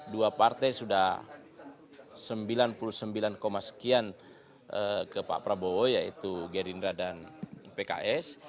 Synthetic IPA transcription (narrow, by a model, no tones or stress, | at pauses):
duapart̪ajsudah | səmbilanpulusəmbilankomasə̥kian | ʔəkəpa̰pɾaboojait̪uɡeɾinɾadanpeka̰ʔɛs